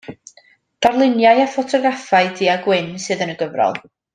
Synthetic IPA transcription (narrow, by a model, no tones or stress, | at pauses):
d̥arlˠɪnjajafɔtʰɔɡrafaɨdiːaɡwɪnsɨːðənəɡəvrɔ̰lˠ